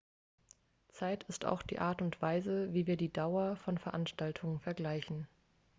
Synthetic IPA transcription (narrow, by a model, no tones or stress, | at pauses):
t͡saɪtʰɪsta̰ʊxd̥ḭːʔaːɐtʊntv̥aɪzəviːviːɐdiːdaʊɐfɔnfɛɐʔanʃtaltʰʊŋənfɛɐɡlaɪçn̩